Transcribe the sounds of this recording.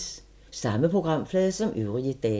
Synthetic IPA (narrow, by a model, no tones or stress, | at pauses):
s | sɑ̈məpʰʁoɡ̥ʁɑ̈m̰flɛːðˠsɒ̽mʔyðʁiəd̥ɛ